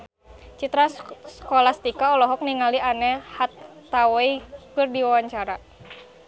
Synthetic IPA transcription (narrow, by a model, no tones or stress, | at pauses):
t͡ʃit̪ɾaskɔlast̪ikaɔlɔɦɔk̚niŋalianɛhat̪ːaweikɨrdiwawaɲt͡ʃaɾa